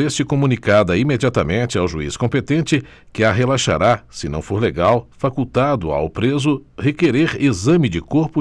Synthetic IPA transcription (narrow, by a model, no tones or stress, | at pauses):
est͡ʃɪkomũnikad̪ɐimed͡ʒiat̪ɐmẽnt͡ʃɪawʒuḭskõpet̪ẽnt͡ʃɪ | kɪaɦelaʃa̰ɾasɪnɐ̰̃w̃foɾleɡawfakut̪ad̪ʊa̰wpɾezʊhekeɾeɾezɐ̃mɪd͡ʒɪkoɾpʊ